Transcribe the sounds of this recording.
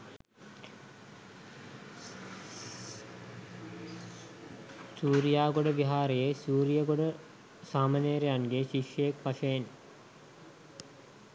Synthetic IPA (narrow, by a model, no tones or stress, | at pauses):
suːɾijaːɡoɖəʋiɦaːɾejesuːɾijəɡoɖə | saːmaneɾejanɡeʃiʃjəjekpaʃəjen